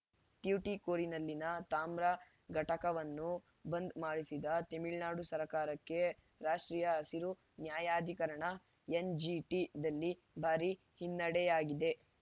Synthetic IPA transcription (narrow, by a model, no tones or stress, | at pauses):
ʈjuʈikoːɾinɐlːinɐt̪aːmɾɐ | ɡʱɐʈɐkɐʋɐnːu | bɐnd̪maːɽisid̪ɐt̪emiɭnaːɽusɐɾkaːɾɐkːe̞ | ɾaːʂʈɾiːjɐɐsiɾu | njaːjaːd̪ʱikɐɾɐɳɐ | end͡ʒiʈid̪ɐlːi | bʱaːɾi | hinːɐɽɛjaːɡid̪e̞